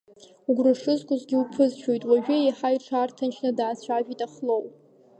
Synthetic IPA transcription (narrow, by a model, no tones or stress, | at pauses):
uɡʷraʂɨzkʷʼʊzɡʲɪupʰɨzʃᶣojtʼwaʒᶣɪejħajʈ͡ʂʰaːrtʰanʃnɨdaːt͡ɕʷʰaʒᶣitʼaχlow